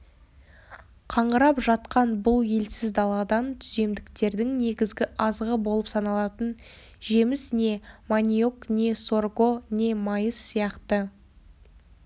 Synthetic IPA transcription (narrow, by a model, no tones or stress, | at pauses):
qʰɑɴʁəɾɑpʒɑt̪qɑnbʊlˠje̞lsɪzd̪ɑlˠɑd̪ɑnt̪ʰʏze̞md̪ɪkt̪e̞ɾd̪ɪŋne̞ɡʲɪzɡʲɪʔɑzʁəbo̞lˠəpsɑnɑlˠɑt̪ən | ʒe̞mɪsne̞manʲijokne̞so̞rɡo̞ne̞mɑjəsːijɑqt̪ə